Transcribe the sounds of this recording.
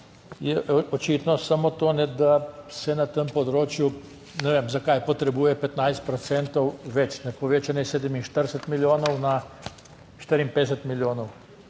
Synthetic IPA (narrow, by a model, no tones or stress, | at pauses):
jɛʔot͡ʃit̪nɔsamot̪oːnɛd̪asɛnat̪əmpod̪ɾoːt͡ʃju | nɛʋeːmzakajpot̪ɾɛbuːjɛpɛt̪najst̪̚pɾot̪sɛnt̪owʋɛt͡ʃnɛpoʋet͡ʃanɛseːd̪ɛminʃt̪əɾsɛt̪miljoːnowna | ʃt̪əɾimped̪eset̪miljoːnow